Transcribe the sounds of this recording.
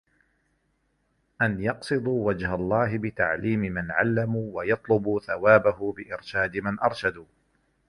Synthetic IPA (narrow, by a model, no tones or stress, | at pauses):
ʔanjɑqsˤɨd̪ˤuːwad͡ʒhalˤːɑːɦɪbɪt̪aʕliːmɪmanʕa̰lːamuːwajɑt̪ˤlʊbuːθawaːbaɦʊbɪʔɪɾʃaːd̪ɪmanʔɑɾˤʃad̪uː